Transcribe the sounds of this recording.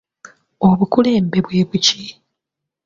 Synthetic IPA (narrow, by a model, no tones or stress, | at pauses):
oβukuleːmbe̞βwe̞ːβuci